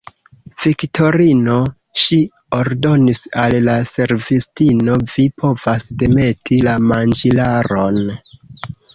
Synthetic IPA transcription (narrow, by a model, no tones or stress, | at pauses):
v̥iktʰo̞ɾino̞ | ʃi | oɾdo̞nisalːase̞ɾvistino̞vipʰo̞vasde̞me̞tʰilamand͡ʒilaɾo̞n